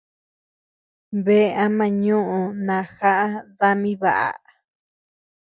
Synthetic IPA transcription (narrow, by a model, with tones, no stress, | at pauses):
βe˦˧a˧mã˧˨ɲũ˦ʔũ˧nã˨xa˦ʔa˦ða˧mĩ˦βa˨ʔa̰˨